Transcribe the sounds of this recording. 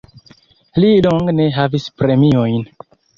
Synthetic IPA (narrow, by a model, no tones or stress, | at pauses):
liloŋɡne̞ɦavispɾe̞miojn